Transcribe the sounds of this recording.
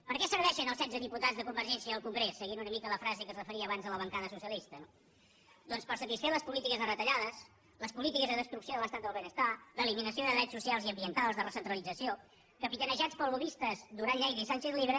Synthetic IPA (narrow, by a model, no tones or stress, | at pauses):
pəɾkɛsəɾβɛʃənəlˠsɛnzəðiput̪ad͡zðəkumbəɾʒɛnsiəəlˠkuŋɡɾesːəɣinunəmikələfɾazekəsrəfəɾiəːβanzðələβ̞əŋkaðəsusiəlist̪əno | d̪ɔnspəɾsət̪isfeləspulit̪ikəzərət̪əʎaðəs | ləspulit̪ikəzðəðəst̪ɾuksijoðəlˠəst̪at̪̚d̪əlˠβenəst̪aləːliminəsioðəðɛsusialˠziəmbiənt̪alˠzðərəsənt̪ɾəlˠid͡zəsio | kəpit̪ənəʒat͡spəlˠβuβist̪əzd̪uɾaʎːɛjɾisɛnsezliβɾə